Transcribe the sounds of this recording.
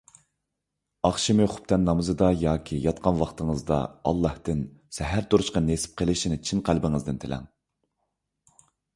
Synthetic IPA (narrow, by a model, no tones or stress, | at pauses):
ɑχʃimɨχʊ̥p̚t̪ʰɛnːɑmɨzɨd̪ɑjɑːkʲʰijɑt̪qʰɑnwɑχt̪ʰəŋəzd̪ɑ̰ɑ̰lˠːɑht̪ɨnsɛɦæɾt̪ʰoɾʊʃqɑnesɪ̥p̚qʰəlˠɪʃinɪt͡ʃʰinqʰælbɪŋɨzd̪ɨnt̪ʰelʔɛ̰ŋ